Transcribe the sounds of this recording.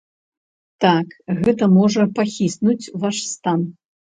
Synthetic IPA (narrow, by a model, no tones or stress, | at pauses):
t̪akɣɛt̪ɐmɔʐɐpaxʲisnut͡sʲvaʂst̪an